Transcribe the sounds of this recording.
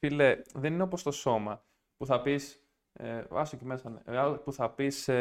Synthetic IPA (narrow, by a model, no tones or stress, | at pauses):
ileðenineop̬ost̪o̞so̞mɐ | puθɐpis | ɐ̰socemesɐnḛɐlpuθɐpis